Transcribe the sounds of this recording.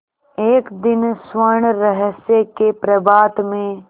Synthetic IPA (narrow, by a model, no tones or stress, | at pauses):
eːkd̪ɪnswəɾɳ̃ɾəɦəsekepɾəbaːt̪mẽ